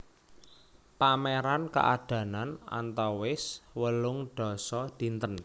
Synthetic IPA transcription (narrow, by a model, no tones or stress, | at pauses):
pameɾanka̰ʔaɖ̥ä̤nana̰nt̪ɔwɪswəlʊŋɖ̥ɔ̤sɔd̪̥i̤nt̪ən